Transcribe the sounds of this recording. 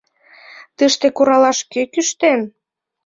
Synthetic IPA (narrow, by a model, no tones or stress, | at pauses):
t̪əʃt̪ekoɾɑlɑʃkøkyʃt̪en